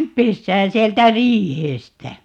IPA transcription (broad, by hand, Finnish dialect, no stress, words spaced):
pesːæːn sieltæ riːhestæ